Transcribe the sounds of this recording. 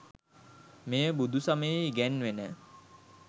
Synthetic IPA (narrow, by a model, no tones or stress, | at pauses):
mejəbud̪usaməjeɡænʋenə